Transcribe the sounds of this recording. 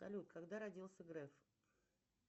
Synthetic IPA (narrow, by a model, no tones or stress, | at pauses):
ɐ̰lʲut̪kɐɡd̪aɾɐdʲilˠsʲəɡɾɛf